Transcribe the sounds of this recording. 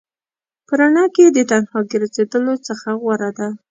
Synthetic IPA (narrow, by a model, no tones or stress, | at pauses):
pəɾaɳɑked̪ət̪anhɑɡəɾazed̪əlot͡səxaɣwaɾad̪a